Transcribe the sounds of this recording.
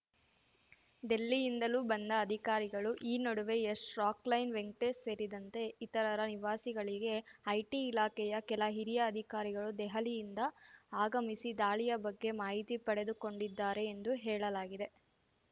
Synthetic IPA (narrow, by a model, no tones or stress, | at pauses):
d̪e̞lːijind̪ɐluːbɐnd̪ɐːd̪ʱikaːɾiɡɐɭuʔiːnɐɽuʋe̞esɾaːklɐjnʋeŋk̚ʈesse̞ːɾid̪ɐnt̪e̞it̪ɐɾɐɾɐniʋaːsiɡɐɭiɡe̞ɐjʈiːlaːkɛjɐkɛlɐɦiɾijɐːd̪ʱikaːɾiɡɐɭud̪ɛɦɐlijind̪ɐaːɡɐmisid̪aːɭijɐbɐɡːe̞maːɦit̪ipɐɽe̞d̪uko̞ɳɖid̪ːaːɾe̞ːnd̪uɦɛːɭɐlaːɡid̪e̞